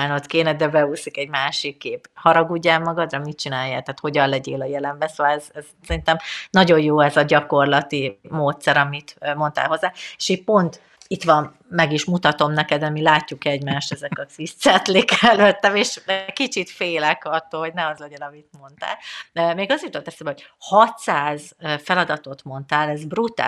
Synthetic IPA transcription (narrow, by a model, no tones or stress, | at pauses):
aːnot̪keːnɛd̪ɛbɛusikɛɟmaːʃikːeːphɒɾɒɡuɟːaːlmɒɡɒd̪rɒmit͡ʃinaːjaːt̪aːt̪ho̞ɟɒnlɛɟeːlɒjɛlɛmbɛsoːvɒlɛz̥ɛzsɛɾint̪ɛmnɒɟo̞jjoːɛzɒɟɒko̞rlɒt̪imoːt̪sɛɾɒmit̪mo̞nt̪a̰lɦo̞zːaːe̥ʃiːt̚po̞nt̪ | it̪ʋɒmː | ɛɡiʃmut̪ɒt̪o̞mnɛkɛd̪ɛmilaːcːukɛɟmaːʃt̪ɛzɛkɒzist̪sɛt̪likɛløt̪ːɛmeːʃkit͡ʃit̪feːlɛkɒt̪ːoːlho̞ɟnɛɒzlɛɟɛnɒmit̪̚mo̞nt̪a̰ːlømeːɡɒzit̪ot̪ɛsɛmbɛɦoɟhɒt̪saːzfɛlɒd̪ɒt̪o̞t̪mo̞nt̪aːlɛzbrut̪a̰